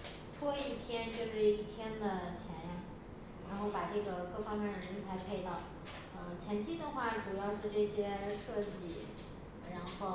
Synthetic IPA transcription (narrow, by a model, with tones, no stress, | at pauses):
t̪ʰwɔ˥i˥˩t̪ʰjɛ˥nt͡ɕjo˥˧ʊʂɻ̩˥˧i˥˩t̪ʰjɛ˥nd̪ə˨˩t͡ɕʰjɛ˧˥nja˧˩ | ɻa˧˥nxo˥˩ʊpa˨˩ʈ͡ʂɤ˥˩ɡə˩kɤ˥˩fɑ˥ŋmjɛ˥˩nd̪ə˩ɻə˧˥nt͡sʰa˧˥ɪpʰe˥˧ɪt̪ɑ˥˩ʊ | ə˥˧t͡ɕʰjɛ˧˥nt͡ɕʰi˥˩d̪ə˨xwa˥˩ʈ͡ʂu˨˩jɑ˥˧ʊʂɻ̩˥˧ʈ͡ʂɤ˥˩ɕjɛ˥ʂɤ˥˧t͡ɕi˥˩ | ɻa˧˥nxo˥˩ʊ